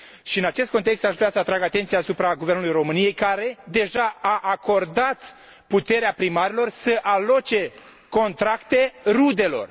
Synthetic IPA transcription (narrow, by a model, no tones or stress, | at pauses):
ʃiɨnat͡ʃe̞st̪kot̪e̞kst̪aʃveasəat̪ɾaɡat̪e̞nt̪sijaːsupɾaɡuvernulujro̞mɨnije̞jkaɾe̞d̪e̞ʒaaʔako̞rd̪at̪ | put̪e̞ɾeapɾimaɾelo̞rsəʔalo̞t͡ʃe̞ | ko̞nt̪ɾakt̪e̞rud̪e̞lo̞̰r